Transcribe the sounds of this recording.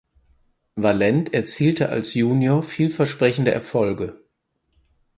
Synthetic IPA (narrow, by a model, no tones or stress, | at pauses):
valɛntɛɐt͡siːltʰəʔa̰lsjuːnjoːɐfiːlfɛɐʃpʁ̥ɛçn̩dəʔɛ̰ɐfɔlɡə